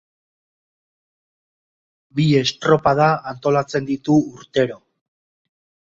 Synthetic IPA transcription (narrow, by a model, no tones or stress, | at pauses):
bie̞st̪ɾo̞paðaant̪o̞lat͡se̞nd̪it̪uːɾt̪e̞ɾo̞